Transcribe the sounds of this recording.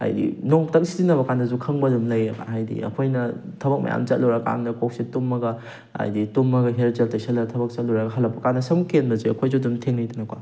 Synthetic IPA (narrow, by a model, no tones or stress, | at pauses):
a̰jdḭnoŋtɐk̚sizinɐbɐkanɐzukʰɐŋbɐdumlɐjɐka̰nɦajdḭɐ̰kʰojnɐtʰɐbɐk̚mɐ̰ja̰mt͡ʃɐt̚lowɾaka̰ŋnɐkʰok̚situmːɐɡɐ | a̰jditumːɐɡɐɦeɾzɐltɐjsɐlɐtʰɐbɐk̚t͡ʃɐt̚lɔwɾaɡɐɦɐlɐpʰːɐkanɐsɐmkenbɐziɐkʰojzodumtʰeŋnɐjtɐnɐkwa̰